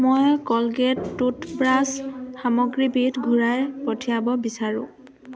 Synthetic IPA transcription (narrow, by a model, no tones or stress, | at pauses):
mojkɔlɡetːutbɹasxamɔɡɹibitɡʱuɹajpɔtʰiabɔbisaɹʊ̰̃